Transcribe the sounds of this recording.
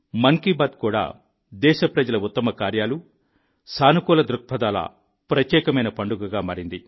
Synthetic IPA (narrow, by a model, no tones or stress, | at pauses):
mɐŋkibaːd̪̚kuːɽa̰ː | d̪ɛːʃɐpɾɐd͡ʒɐlɐut̪ːɐmɐkaːɾjaːlu | saːnukuːlɐd̪ɾuk̚pʰɐd̪aːlɐ̰ | pɾɐt̪jɛːkɐmɐjnɐpɐɳɖuɡɐɡaːmaːɾind̪i